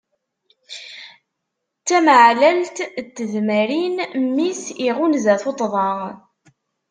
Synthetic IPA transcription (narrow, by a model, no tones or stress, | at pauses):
t͡sːæməʕlælt̪t̪ːəðmæɾinmːisiʁunzæθot̪ˤðˤɑ